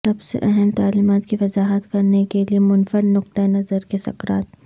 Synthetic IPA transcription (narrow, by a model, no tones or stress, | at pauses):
sɐbsḛʔɐɦɛmt̪aːliːmaːt̪kiʋɐzaːɦət̪kɐɾnekeliemʊnfəɽnʊq̚t̪aenɐzəɾkesɐ̰kɾaːt̪̚